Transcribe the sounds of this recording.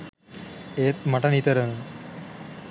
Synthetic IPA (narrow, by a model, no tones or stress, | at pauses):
eːt̪mɐʈɐnit̪əɾəŋ